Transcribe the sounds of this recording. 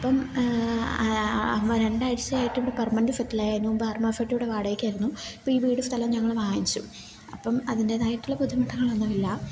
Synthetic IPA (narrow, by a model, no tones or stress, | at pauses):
ɐpːɐm | ɐɾeɳɖaːɽit͡ɕːɐaːjiʈːiʋuɽepɐrmɐndɨfɐtːilaːjaːnːubɐrmɐfɐʈːijuɽeʋaːɽɐjikʲːaːjiɾunːui̥pːoiːbiːɽust̪ʰɐlɐmɲɐŋːɐɭʋaːjit͡ɕːṵ | ɐpːɐmɐðinde̞ðaːjiʈːuɭːɐpuðumɐʈʰːɐŋːɐɭɐnːɐʋilːɐ